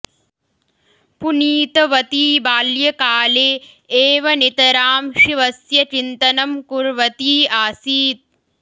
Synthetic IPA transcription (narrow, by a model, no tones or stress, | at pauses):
puniːt̪ɐʋɐt̪iːbaːljɐkaːleː | eːʋɐnit̪ɐɾaːmʃiʋɐsjɐt͡ʃint̪ɐnɐmkuɾʋɐt̪iːaːsiːt̪̚